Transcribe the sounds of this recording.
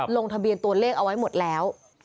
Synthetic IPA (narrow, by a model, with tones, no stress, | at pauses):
loː˧ŋt̪ʰa˧bi˧ənt̪u˧əleː˥˩k̚a˧wa˦˥jmo˨˩t̪̚lɛː˦˥w